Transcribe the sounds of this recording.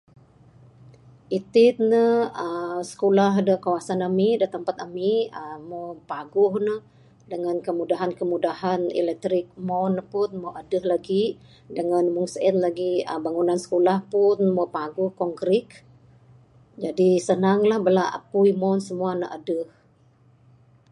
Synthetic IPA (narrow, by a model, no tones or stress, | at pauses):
ʔit̪ɪt̪̚nəəsə̥kolaɦdəkawasanamidət̪əmpat̪amiəmopaɡʊhnə | dəŋankəmudaɦankəmudahanḭlɛk̚t̪ɾɪk̚mɔnpʊnmawʔadəhlaɡi | dəŋanmuŋsɛnlaɡiə̰baŋunansə̥kolahpʊnmopaɡʊhkɔŋɡɾɪk | d͡ʒadisənaŋlahbəlaʔa̰puimɔnsəmuanəʔadəh